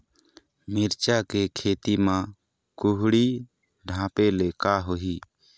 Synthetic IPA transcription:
mɪɾt͡ʃakekʰeːt̪imã | kuɦɽi | ɖʱãːpeleːkaːɦoɦiː

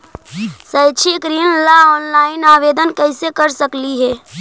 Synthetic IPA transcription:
səɪt͡ʃʰikɾiːnlaɔːnlaːɪnaːʋeːd̪ənkɛɪsekəɾsəkliɦɛː

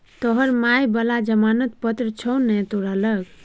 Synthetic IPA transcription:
t̪ɔɦəɾmajbəlad͡ʒəmanət̪̚pət̪ɾət͡ʃʰɔwnɛt̪oɾələɡ

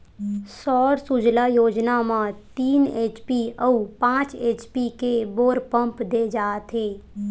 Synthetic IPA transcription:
sɔːɾsud͡ʒlajoːd͡ʒnamãt̪iːneːt͡ʃpiəupãːt͡ʃeːt͡ʃpikeboːɾpə̃mpd̪eːd͡ʒaːt̪ʰeː

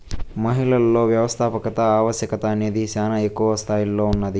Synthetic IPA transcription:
mɐɦiɭɐlːo̞ːʋjɐʋɐst̪ʰaːpɐkɐt̪ɐaːʋɐʃjɐkɐt̪ɐːneːd̪isaːnɐekːuʋɐst̪ʰaːjilːo̞ːunːɐd̪i

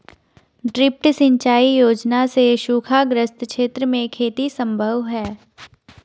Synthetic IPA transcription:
ɖɾɪp̚ʈsɪ̃ɲt͡ʃaːijoːd͡ʒnaseʃuːkʰaɡɾəst̪ʰʃeːt̪ɾəmẽkʰeːt̪isə̃mbʱəʋɦɛː

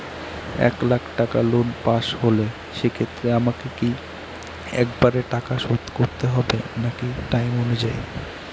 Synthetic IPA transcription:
ɛ̰klakʰʈakalonpaʃɦole | ʃekʰet̪ːɾeamakeki | ɛ̰kbaɾeʈakaʃot̪koɾt̪eɦɔbenakiʈajmonud͡ʑaj

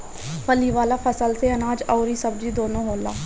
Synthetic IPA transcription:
pʰəliːʋaːlaːpʰəsəlseːənaːd͡ʒɔːɾiːsəb̚d͡ʒiːd̪oːnõːɦoːlaː

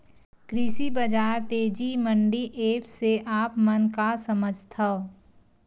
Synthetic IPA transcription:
kɾɪsibəd͡ʒaːɾt̪eːd͡ʒimə̃ɳɖiʔeːpʰseʔaːpmənkasəməd͡ʒʱt̪ʰɐ

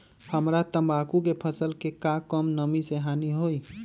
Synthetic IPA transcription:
həmɾat̪əmbaːkukepʰəsəlkekakəmnəmiseɦaːniɦoi

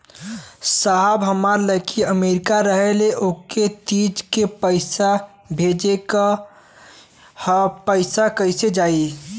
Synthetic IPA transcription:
saɦbɦəmaɾləkʰiəmeɾɪkaɾəɦeleʔoket̪id͡ʒkepəɪsa | bʱed͡ʒek | hpəɪsakəɪsed͡ʒaːi

